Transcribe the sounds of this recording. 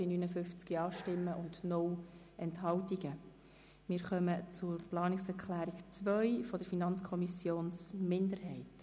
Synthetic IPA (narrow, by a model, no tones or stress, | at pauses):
inyːnəfʏft͡skiɑːʃtɪmːəʔʊndnɔw | ɛntɦɑwtiɡə | mɪːɾχœmət͡sʊɾplɑːnɪksɛɾkχlæːɾikt͡sʋœjfɔd̥əɾfinɑnt͡skʰɔmisjoːnsmɪndəɾɦɛɪt